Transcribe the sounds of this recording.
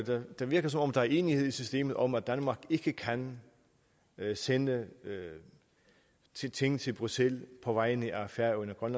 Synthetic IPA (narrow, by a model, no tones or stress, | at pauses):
d̥ed̥ɑʋiɐɡ̥ɐsɒ̽mɒ̽md̥ɑ̈æɐe̝ːnihe̝ð̞̰ˠisysd̥e̝̰ːmð̩ˠʔɒ̽mæd̥ænmɑ̈ːɡ̥e̝ɡ̥əkʰæn | senə | t͡sʰe̝ŋ̰n̩t͡sʰe̝lb̥ʁuselpʰɒ̽ʋɑ̈ɪ̰neʔæfæɐonɐɡ̥ʁɶnæ